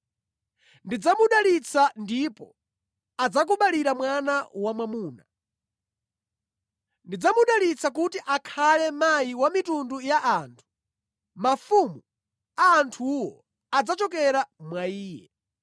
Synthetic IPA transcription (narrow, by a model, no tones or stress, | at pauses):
ndid͡zamuɗalit͡sʰandipɔ̰ | ad͡zak̬uɓaliɾamwanawamwamuːna | ndid͡zamuɗalit͡sak̬utiʔakʰalɛmajiwamitundujaʔaːntʰu̥ | mafumu | aːntʰuwɔ | ad͡zat͡ʃɔk̬ɛɾamwaiːjɛ̰